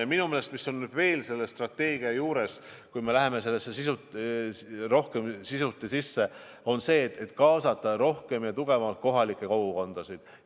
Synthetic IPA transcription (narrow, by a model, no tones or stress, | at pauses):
minumele̞st̪misːo̞nːyd̪̥ve̞ːlse̞lːe̞st̪rɑt̪ːe̞ːɡiɑjuːɾe̞s | kujme̞læɦe̞me̞se̞lːesːesisu | ro̞hke̞msisut̪ːˑesisːe̞ | o̞nse̞ːt̪et̪ːˑkɑːsɑt̪ːˑɑɾo̞hke̞mjɑt̪uɡ̥e̞vɑlt̪̚ko̞ɦɑlikːˑe̞kowɡuko̞nd̪̥ɑsid̪̥